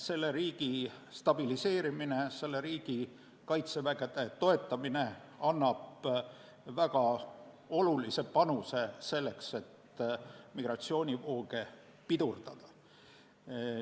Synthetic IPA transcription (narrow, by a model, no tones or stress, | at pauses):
se̞lːe̞ɾiːɡ̥i | st̪ɑb̥ilise̞ːɾimine̞se̞lːe̞ɾiːɡ̥i | kɑjt̪se̞væɡed̪̥e̞t̪o̞e̞t̪ːˑɑmine̞ | ɑnːɑb̥ | væɡ̥ɑ | o̞lulise̞pɑnuse̞se̞lːe̞kse̞t̪ | miɡ̥rɑt̪sio̞ːnʲivo̞ːɡe̞ | pid̪urd̪̥ɑd̪̥ɑ